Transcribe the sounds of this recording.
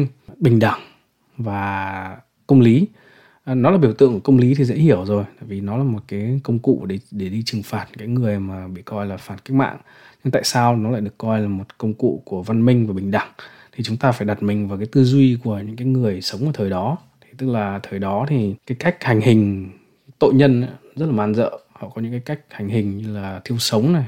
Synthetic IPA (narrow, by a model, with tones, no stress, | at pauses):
ŋ | ɓï˨˩ŋ̟ɗa˧˩ŋ | vaː˨˩ | kə˧wŋ͡mli˨˦ | nɔ˨˦laː˨˩ɓi˧˩əwt̪ɨ̰˧ə˨ŋ˨˩kə˧wŋ͡mli˨˦t̪ʰi˨˩zḛ˧˥hi˧˩əwzo˨˩jt̪a̰ː˧˨jvi˨˩nɔ˨˦laː˨˩mo˨˩t̚kaː˨˦jkə˧wŋ͡mkṵ˧˨ɗe˧˩ɗe˧˩ɗi˧t͡ɕɨ˨˩ŋfaː˨˩t̚kaː˨˦jŋɨ˨˩əjmaː˨˩ɓḭ˧˨kɔ˧jlaː˨˩faː˧˩nka˦˥k̚ma̰ː˧˨ŋ | ɲɨ˧ŋt̪a̰ː˧˨jsaː˧wnɔ˨˦la̰ː˧˨jɗə˩kːɔ˧jlaː˨˩mo˨˩t̚kə˧wŋ͡mkṵ˧˨ku˧˩əva˧nmï˧ŋ̟vaː˨˩ɓï˨˩ŋ̟ɗa˧˩ŋ | t̪ʰi˨˩t͡ɕʊ˨˦ŋ͡mt̪aː˧faː˧˩jɗa˨˩t̚mï˨˩ŋ̟vaː˨˩kaː˨˦jt̪ɨ˧zwi˧ku˧˩əɲɨ̰˧˥ŋkaː˨˦jŋɨ˨˩əjsə˨˦wŋ͡mʔəː˨˩t̪ʰəː˨˩jɗɔ˨˦ | t̪ʰi˨˩t̪ɨ˦˥k̚laː˨˩t̪ʰəː˨˩jɗɔ˨˦t̪ʰi˨˩kaː˨˦jka˦˥jk̟̚ha˨˩jŋ̟hï˨˩ŋ̟ | t̪o̰˧˨jɲə˧nʔa̰˧˥zə˦˥t̚laː˨maː˧nzə̰ː˧˨hɔ̰˧˨kɔ˨˦ɲɨ̰˧˥ŋkːaː˨˦jka˦˥jk̟̚ha˨˩ŋ̟ɦï˨˩ŋ̟ɲɨ˧laː˨˩t̪ʰi˧əwsə˨˦wŋ͡mna˨˩j